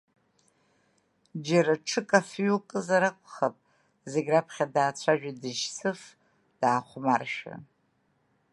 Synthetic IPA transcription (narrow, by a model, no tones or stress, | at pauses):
d͡ʒaɾaʈ͡ʂʰɨkʼafɥukʼɨzaɾakʷʼχapʼ | zeɡʲrapʰχʲadaːt͡sʷʰaʒᶣadɨʒsɨf | d̥aːχʷmarʃᶣa̰